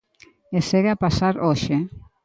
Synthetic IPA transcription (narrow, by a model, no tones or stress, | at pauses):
eseɣeapasaɾoʃe